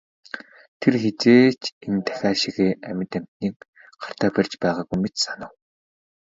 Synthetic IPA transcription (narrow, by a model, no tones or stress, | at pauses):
t̪ʰerxet͡seːt͡ɕent̪ʰæ̥xʲaːʃiɣeːæmʲɪ̆t̪æm̥t̪niːk̚ | ɢar̥t̪aːpærʲt͡ɕpæːʁaːɣujmet̪sanə̆w